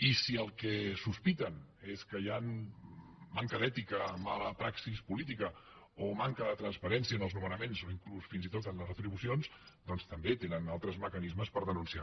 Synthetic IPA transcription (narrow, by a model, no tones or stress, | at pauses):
isiəlˠkɛsuspit̪əneskəjanː | aŋkəðɛt̪ikəmaləpɾaksispulit̪̬ikə | omaŋkəðət̪ɾənspəɾɛnsiənəlˠznumənəmenzoiŋklusfinzit̪ot̪ənləzrət̪ɾiβusionsd̪ɔnst̪əmbet̪enənalˠt̪ɾəzməkənizməspəɾðənunsia̰